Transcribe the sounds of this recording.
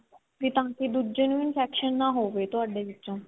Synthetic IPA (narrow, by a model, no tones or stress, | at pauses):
kit̪ãːkid̪ud͡ʒənuinfʰɛːkʃənːaːɦoːbeːt̪ʊɦaːɖeːʋɪtːʃõː